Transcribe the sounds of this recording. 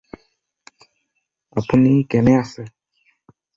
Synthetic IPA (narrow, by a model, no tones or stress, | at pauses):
apunikɛnɛasɛ